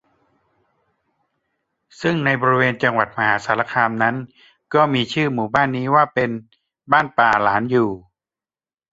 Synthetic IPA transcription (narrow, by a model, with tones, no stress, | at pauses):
sɯ˥˩ŋna˧jbɔː˧ɾi˧weː˧nt͡ɕa˧ŋwa˨˩t̪̚ma˧haː˩˦saː˩˦la˧kʰaː˧mna˦˥n | kɔː˥˩miː˧t͡ɕʰɯː˥˩muː˨˩baː˥˩nːiː˦˥waː˥˩pe˧n | baː˥˩npaː˨˩laː˩˦njuː˨˩